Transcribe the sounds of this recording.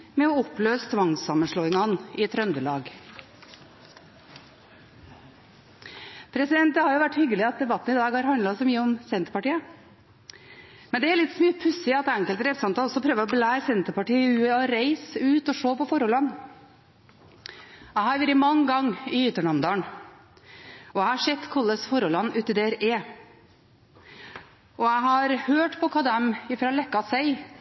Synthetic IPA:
mɛɔɔpløːst̪ʰʋɑŋsɑmənʂɭɔːɪŋɑhɑnɪt̪ʰɾœnd̪əlɑːɡ | pʰɾɛsɪd̪ɛnt̪̚d̪ɛhɑɾjʊʋæʈːhʏɡːəlɪɑt̪̚d̪ɛbɑt̪ːn̩ɪd̪ɑːɡhɑɾhɑnd̪lɑsɔmyːəɔmsɛnt̪ə̥ɾpɑʈiːə | mɛnd̪ɛæɾlɪt̪ːsmyːpʰʉsɪɑt̪æŋkəlt̪ɾɛt̪sɑnt̪ʰɑːlɔsːɔpʰɾøːʋəɾɔblæɪsɛnt̪əpɑʈiːʉːɛɔɾeɪsʉːt̪ɔʂoːpɔfɔɾɔlɑnː | æɪhɑɾjʉːɾɪmɑŋːɡɑŋːɪʏt̪ːəɳɑmd̪ɑːɳ | ɔæhɑʂɛt̪ːkʰɔlːəsfɔɾɔlɑnːʉːt̪ɪd̪eːæɾeː | ɔæɪɦɑɾhøːʈpʰɔkʰɑd̪æmɪfɾɑːlɛkːɑsæɪ

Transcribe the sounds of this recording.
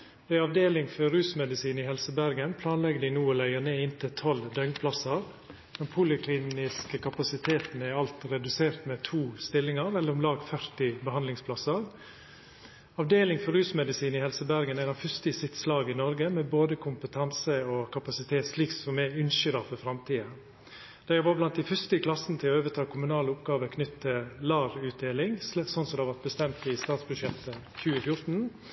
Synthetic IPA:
d̪ɛɑʋd̪eːlɪŋfɔɾɾʉːsmɛd̪ɪsiːnɪhɛlsəbæɾɡənpʰlɑːnlɛɡəɖ̪ɪnuːɔlæɪəneːɪnt̪ʰɪlt̪ʰɔld̪œŋpʰlɑsəɾ | mɛnpʰuːlɪkʰliːnɪskəkʰɑpɑsɪt̪ʰeːt̪nəɪɑlt̪ɾɛd̪ʉseːɾt̪mɛt̪ʰuːst̪ɪlːɪŋɑɾɛlːəɾɔmlɑːɡfœɾt̪ɪbəɦɑnd̪lɪŋspʰlɑsəɾ | ɑʋd̪eːlɪŋfɔɾʉːsmɛd̪ɪsiːnɪhɛlsəbæɾɡənæɪnɑʋfœst̪ɪsɪt̪slɑːɡəɪnɔɾɡəmɛboːd̪əkʰʊmpət̪ʰɑnsəɔkʰɑpɑsɪt̪ʰeːt̪sliːksɔmɛʉnʃʏɾɑfɔɾfɾɑmt̪ʰiːə | d̪̥æʋɑblɑnt̪̚d̪æɪfœst̪əkʰlɑsənət̪ʰɪlɔøːʋət̪ʰɑːkʰʊmʉnɑːləʊpɡɑːʋəkʰnʏt̪ʰːəlɑːɾʉːt̪̚d̪eːlɪŋsɔnsɔd̪ɛʋɑɾt̪̚bəst̪ɛmt̪ɪst̪ɑːt̪sbʉʂɛt̪ʰːə | çʉːəfjʊɾt̪n̩

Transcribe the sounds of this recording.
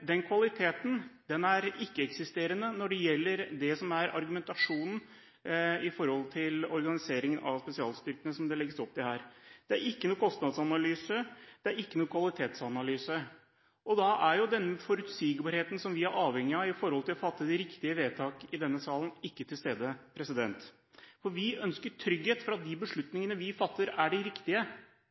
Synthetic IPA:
d̪ɛnkʰʋɑlɪt̪ʰeːt̪nd̪ɛnæɾɪkːəɛksɪst̪eːɾənənɔɖɛjɛlːəɾd̪ɛsɔmæɾɑ̰ɾɡʉmɛnt̪ɑʂuːnn̩ | ɪfɔɾhɔlt̪ʰɪlɔɾɡɑnɪseːɾɪŋənʔɑ̰ʋspɛsɪɑːlst̪ʏɾkənəsɔmd̪ɛlɛɡəsɔp̚ːd̪ɛhæːɾd̪̥ɛæɾɪkːənuːkʰɔst̪nɑd̪sɑnɑlyːsəd̪̥ɛæɾɪkːənuːkʰʋɑlɪt̪ʰeːt̪sɑnɑlyːsə | ʔɔd̪ɑʔæɾjʊd̪ɛnːəfɔɾʉt̪siːɡbɑɾheːt̪n̩sɔmʋɪæɾʔɑːʋhɛŋːɪɑɪfɔɾhɔlt̪ʰɪlɔfɑt̪ːəd̪ɪɾɪkt̪ɪəʋeːt̪ʰɑːkɪd̪ɛnːəsɑːlənɪkːət̪ʰɪlst̪eːd̪əpʰɾɛsɪd̪ɛnt̪ | fɔɾʋɪœnskəʈʰɾʏɡheːt̪fɾɑt̪̚d̪ɪbəʂɭʉt̪nɪŋənəʋɪfɑt̪ːəɾæɖɪɾɪkt̪ɪə

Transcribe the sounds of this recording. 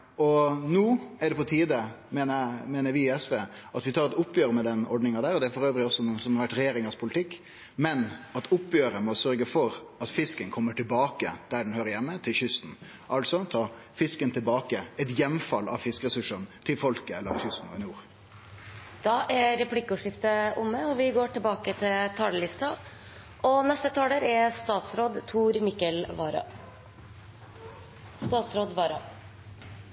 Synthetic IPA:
ɔnuːɛɖɛpɔt̪ʰiːd̪əmɛnəmeːnəɾʋɪɪɛsʋeːʔɑt̪ʋɪt̪ʰɑːɾɛt̪ʊpːjøːɾəmɛd̪ɛnɔ̰ɖnɪŋɑd̪æːɾɔd̪ɛæɾfɔɾøːʋɾɪɔsːɔsɔmhɑɾʋæʈɾɛjeːɾɪŋɑspʰʊlɪt̪ʰɪkː | mɛnɑt̪ʰʊpːjøːɾəmɔsœɾɡəfɔɾ | ɑt̪fɪskənkʰɔmːəʈɪlbɑːkəd̪̥æɖɛnhøːɾəjɛmːət̪ʰɪlçʏst̪n̩ | ʔɑlsɔt̪ʰɑː | fɪskənt̪ʰɪlbɑːkəɛt̪jɛmfɑlɑ̰ʋfɪskəʁɛsʉʂənt̪ʰɪlfɔlkəɛlːəɾɑçʏst̪n̩ɔ̰njuːɾ | d̪̥ɑːʔæɾɛpʰlɪkːʉːʂɪft̪əʔʊməɔʋɪɡoːʈɪlbɑːkət̪ʰɪlt̪ʰɑːləlɪst̪ɑ | ʔɔnɛst̪ət̪ʰɑːləɾæɾst̪ɑːt̪sɾoːd̪t̪ʰuːɾmɪkːəlʋɑːɾɑ̰ | st̪ɑːt̪sɾoːd̪ʋɑːɾɑ̰

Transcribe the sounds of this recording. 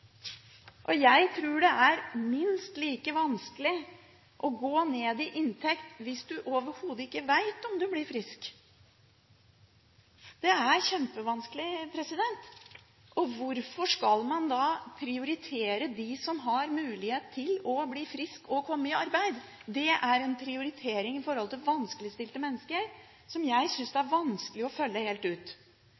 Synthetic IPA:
ʔɔjæɪt̪ʰɾʉːɖɛʔæɾmɪnst̪liːkəʋɑnskəlɪ | ʔɔɡoːneːd̪ɪʔɪnt̪ʰɛkt̪ʋɪsd̪ʉʔoːʋəɾhuːd̪əɪkːəʋæɪt̪ɔmd̪ʉblɪɾfɾɪsk | d̪̥ɛæɾçɛmpəʋɑnskəlɪpʰɾɛsɪd̪ɛnt̪ | ʔɔʋʊɾfɔʂkɑlmɑnd̪ɑpʰɾɪʊɾɪt̪ʰeːɾəd̪ɪsɔmɦɑɾmʉːlɪheːt̪ʰːɪlɔbliːfɾɪskɔkʰɔmːəɪɑɾbæɪd̪ | d̪ɛʔæɾɛnpʰɾɪʊɾɪt̪ʰeːɾɪŋɪfɔɾhɔlt̪ʰɪlʋɑnskəlɪst̪ɪlt̪əmɛnːəskəɾ | sɔmjæɪsʏnsd̪ɛæɾʋɑnskəlɪɔfœlːəheːlt̪ʉːt̪

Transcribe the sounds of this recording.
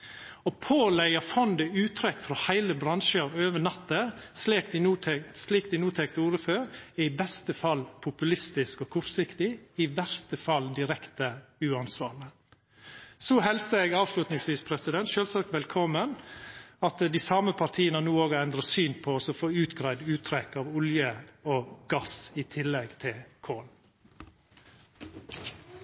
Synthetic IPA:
ɔpʰoːlæɪɑfɔnd̪əʉːt̪ʰɾɛkːfɾɔhæɪləbɾɑŋʃəɾøːʋənɑt̪ːəslik̚d̪ɪnuːɛsliːkd̪ɪnuːt̪ʰɛkt̪uːɾəføːɾæɪbɛst̪əfɑlːpʰʊpʉlɪst̪ɪskɔkʰɔɾsɪkt̪ɪɪʋæɾst̪əfɑlːd̪ɪɾɛkt̪əʉːɑnsʋɑːɭə | sɔhɛlsəɛɡɑːʋslʉt̪nɪŋsʋiːspʰɾɛsɪd̪ɛnt̪ʃøːlsɑk̚t̪ʋɛlkʰɔmːənɑt̪d̪isɑːməpʰɑɾt̪ʰiːənənuːoːɡəɛnd̪ɾəsyːnpʰɔɔsɔfoːʉːt̪ɡɾæɪd̪ʉːt̪ʰɾɛkːɑʋʊljəɔɡ̥ɑsɪt̪ʰɪlːɛɡt̪ʰɪlkʰoːl

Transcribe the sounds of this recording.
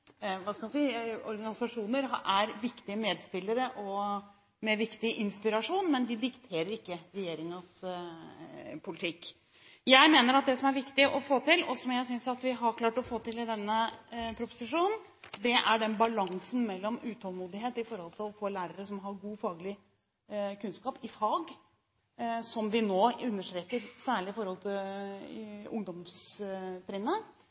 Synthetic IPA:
ʋɑːskɑmd̪siːɔɾɡɑnɪsɑʂuːnəɾɦʔæɾʋɪkt̪ɪəmeːd̪spɪlːəɾəʔɔ | mɛʋɪkt̪ɪʔɪnspɪɾɑʂuːnmɛnd̪ɪd̪ɪkt̪ʰeːɾəɾɪkːəɾɛjeːɾɪŋɑs | pʰʊlɪt̪ʰɪkː | jæɪmeːnəɾɑt̪̚d̪ɛsɔmæɾʋɪkt̪ɪʔɔfoːt̪ɪlɔsɔmjæɪsʏnsɑt̪ʋɪɦɑɾkʰlɑːʈɔfoːt̪ɪlɪd̪ɛnːəpʰɾʊpʊ̥sɪʂuːnn̩ | d̪ɛʔæɖɛnbɑlɑŋsn̩mɛlːɔmʉːt̪ʰɑːlˠmuːd̪ɪɦeːt̪ɪfɔɾhɔlt̪ʰɪlɔfoːlæːɾəɾəsɔmɦɑɾɡuːfɑːɡlɪ | kʰʉnskɑːpɪfɑːɡ | sɔmʋɪnoːʉnːəʂʈɾeːkəɾsæːɭɪɪfɔɾhɔlt̪ʰɪl | ʊŋd̪ɔmsp̪ɾɪnːə

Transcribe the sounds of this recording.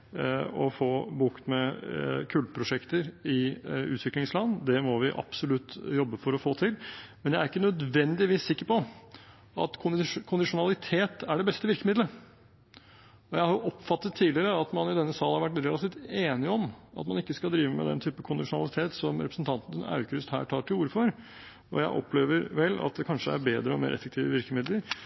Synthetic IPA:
ɔfoːbuːkt̪mɛkʰʉld̪̚pʰɾʊʂɛkt̪əɾɪʉ̰ːt̪ʋɪklɪŋslɑnd̪ɛmɔʋɪʔɑ̰b̥sʊlʉt̪ːjɔbːəfɔɾɔfoːt̪ʰɪlmɛnjæɪæɾɪkːənœd̪ʋɛnd̪ɪʋiːsːɪkːəɾpɔ | ɑ̰t̪kʰʊkʰʊnd̪ɪʂʊnɑlɪt̪ʰeːt̪æɖɛbɛst̪əʋɪɾkəmɪd̪lə | ɔjæɪhɑɾjʊʔɔpfɑt̪ːət̪ʰːiːlɪəɾəɑt̪mɑnɪd̪ɛnːəsɑːlənhɑɾʋæʈ̬ːɾɛːlɑt̪iːft̪eːnɪɔmʔɑ̰t̪mɑnɪkːəskɑld̪ɾiːʋəmɛ̰d̪ɛ̰nt̪ʰyːpəkʰʊnd̪ɪʂʊnɑ̰lɪt̪ʰeːt̪sɔmɾɛpɾəsn̩t̪ʰɑnt̪nənɑ̰ʉkəɾʉst̪hæ̰ːʈʰɑːʈʰɪluːɾəfɔɾ | ɔjæɪʔɔ̰pʰːleːʋəɾʋɛlːɑ̰t̪̚d̪ɛkʰɑnʂəæ̰ɾbeːd̪ɾəɔmḛːɾʔɛ̰fːəkt̪ʰiːʋəʋɪɾkəmɪd̪ləɾ

